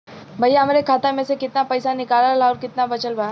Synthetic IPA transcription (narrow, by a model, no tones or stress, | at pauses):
bʱɐjaɦɐmaːɾekʰaːt̪amẽsekɪt̪napɐjsanɪkaːlalaɔːɾkɪt̪nabɐt͡ʃəlbaː